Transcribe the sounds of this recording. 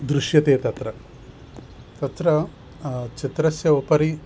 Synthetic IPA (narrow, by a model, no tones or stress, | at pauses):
d̪ɾuʃjɐt̪eːt̪ɐt̪ɾɐ | t̪ɐt̪ɾɐ | t͡ʃit̪ɾɐsjɐopɐɾi